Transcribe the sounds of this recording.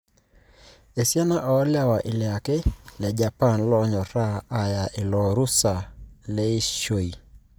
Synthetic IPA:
e˨sja˦na˦ʔɔː˨˦lja˦wa˨ʔɪ˨lja˨ke˦lɛ˨d͡ʒa˨pa˦˨nlɔ˦ɲɔ˨ɾaː˦˨ja˨ʔɪ˨lɔ˨ɾu˦sa˨le˦i˦ʃo˨i˨

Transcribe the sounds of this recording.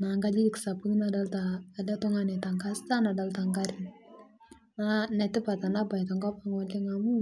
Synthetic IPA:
na˨ŋɡa˦d͡ʒi˦dɪ˨ksa˨pu˦kna˨da˦lta˨lɛ˦tʊ˦ŋa˦nɪ˨ta˨ŋka˦sta˦na˨da˦lta˨ŋɡa˦ɾɪ˨n | nanɛ˨tɪ˦pa˨ta˨na˦ba˨jtɔ˨ŋɡa˦pa˦ŋɔ˨lɪ˦ŋa˨mu˦

